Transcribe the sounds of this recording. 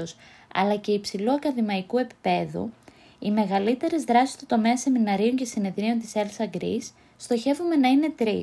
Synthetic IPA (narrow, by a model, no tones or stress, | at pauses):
os | ɐ̰lɐce̞ipsiluɐkɐðimɐikue̞pi̥pe̞ðṵ | ime̞ɣɐlit̪e̞ɾe̞zðɾɐsist̪ut̪o̞me̞ɐse̞minɐɾioɲce̞sine̞ðɾio̞nt̪i̥selsɐɡɾḭsː | t̪o̞çe̞vume̞nɐine̞t̪ɾḭ